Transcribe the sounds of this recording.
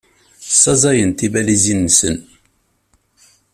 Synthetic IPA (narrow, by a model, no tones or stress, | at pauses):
sːɑzˤɑjənt̪ivælizinːsə̰n